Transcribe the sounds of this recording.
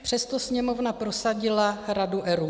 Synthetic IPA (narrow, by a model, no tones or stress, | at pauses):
pr̝̥ɛst̪o̞sɲɛmo̞vnapɾo̞saɟɪlaɾaduʔɛɾu